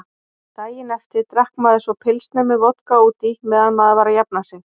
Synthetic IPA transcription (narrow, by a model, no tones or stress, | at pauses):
t̪aːjɪnɛft̪ɪɾ̥t̪ɾahkmaːðɪsvɔpʰɪlst̪nɛmʏvɔt̪kauːt̪imɛːðanmaðvaːɾajapnasɪn